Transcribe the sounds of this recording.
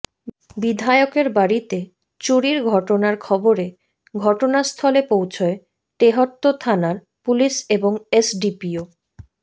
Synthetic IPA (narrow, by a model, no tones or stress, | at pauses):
bid̪ʱaeokeɾbaɾit̪e | t͡ɕuɽiɾɡʱɔʈonaɾkʰɔboɾe | ɡʱɔʈonast̪ʰɔlepowt͡ɕʰoe | ʈeɦot̪ːot̪ʰanaɾ | puliseboŋesɖipio